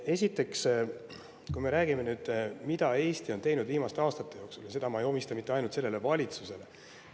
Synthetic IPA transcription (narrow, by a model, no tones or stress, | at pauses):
e̞sʲit̪ːˑe̞ks | kujme̞ɾæːɡime̞nyːd̪̥mid̪̥ɑe̞ːst̪io̞nt̪e̞jnud̪̥viːmɑst̪eɑːst̪ɑt̪ːˑe̞jo̞ːksuljɑse̞d̪ɑmɑejo̞mist̪ɑmit̪ːˑe̞ɑjnult̪se̞lːele̞vɑlʲit̪suse̞le̞